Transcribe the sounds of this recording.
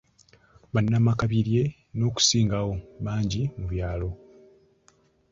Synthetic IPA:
βanːamakaβiɾje̞ | no̞ːku̥siːŋɡawo̞βaːɲɟimuβjaːlo̞

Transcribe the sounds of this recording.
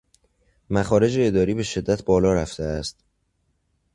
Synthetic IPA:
mæxɒːɾe̞d͡ʒe̞ːd̪ɒːɾiːbe̞ʃe̞d̪ːæt̪ʰbɒːlɒːɾæft̪ʰeæst̪

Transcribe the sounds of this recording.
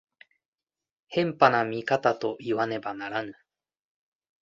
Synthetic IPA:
hẽ̞mpanamʲikat̪at̪o̞ʔiβane̞banaɾanɯ̟

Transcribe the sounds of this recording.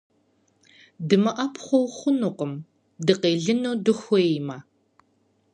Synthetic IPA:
dɨmɐʔɐpʰχʷɔwχʷʊnuːqəm | dɨqeːɮɨnodɨxʷema

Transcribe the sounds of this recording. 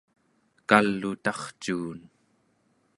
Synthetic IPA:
kalːut̪ɑχt͡ʃuːn

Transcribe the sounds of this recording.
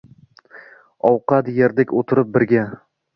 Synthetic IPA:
ɒwqɑt̪jeɾd̪ɪkʲot̪ʰɪɾɪp̚bɪɾɡʲa

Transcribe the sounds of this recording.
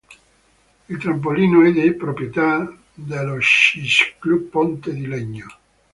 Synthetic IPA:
ilt̪ɾamp̬oliːnoɛd̪epɾopɾjet̪a | d̪eloʃisklupːont̪ed̪ilɛɲːo

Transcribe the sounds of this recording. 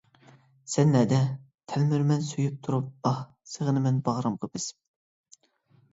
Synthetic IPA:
sɛnːɛd̪ɛ | t̪ʰɛlmyɾmɛnsyjyp̚t̪ʰuɾup̚ɑh | səʁənɨmɛnbɑʁɾɑmqʰəbɪs

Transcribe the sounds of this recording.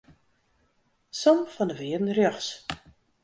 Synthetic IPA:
sɔmfɔndəʋɪədn̩rjɔxs

